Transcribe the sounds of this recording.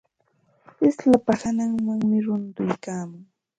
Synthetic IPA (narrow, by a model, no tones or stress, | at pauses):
ɪslapahanaŋmaŋmɪɾʊnt̪ʊjkaːmʊŋ